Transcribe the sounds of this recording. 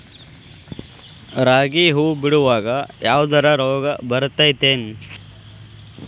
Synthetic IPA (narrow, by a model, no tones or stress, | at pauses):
ɾaːɡiːɦuːbiɽuʋaːɡɐjaːʋd̪ɐɾɐɾoːɡɐbɐɾt̪ːɐjt̪eːn